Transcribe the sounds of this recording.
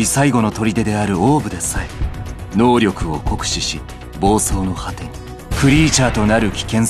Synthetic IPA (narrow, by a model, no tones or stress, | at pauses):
isaiɡo̞no̞t̪o̞ɾʲid̪e̞d̪e̞aɾɯ̟o̞ːbɯ̟d̪e̞saino̞ːɾʲo̞kɯ̟o̞ko̞kɯ̟̥ɕiɕi | bo̞ːso̞ːno̞hat̪eɲ | pɯ̟ɾʲiːt͡ɕaːt̪o̞naɾɯ̟kʲi̥kẽ̞ɰ̃s